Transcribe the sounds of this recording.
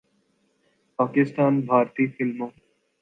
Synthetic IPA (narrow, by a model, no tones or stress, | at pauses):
paːkɪst̪aːnbʱaːɾt̪iːfɪlmõː